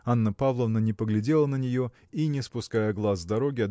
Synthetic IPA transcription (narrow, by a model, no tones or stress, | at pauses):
anːəpavlˠəvnənʲɪpəɡlʲɪdʲe̞lˠənənʲɪjo̞ | inʲɪspʊskajəɡlˠazːd̪ɐɾo̞ɡʲɪɐd̪